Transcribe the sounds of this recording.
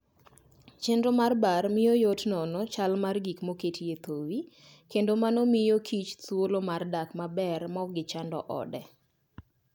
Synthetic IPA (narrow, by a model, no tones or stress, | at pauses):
t͡ʃendomarbarmɪjojotnɔnɔt͡ʃalmarɡikmoketʰiet̪owi | kendomanomɪjokʰit͡ʃt̪wolomardakmabɛrmɔɡɪt͡ʃandɔ̰ʔɔ̰dɛ